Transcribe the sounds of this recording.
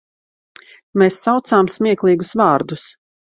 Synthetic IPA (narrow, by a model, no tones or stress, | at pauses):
meːsːawt̪saːmsmʲiɛklˠiːɡusvɑːɾd̪us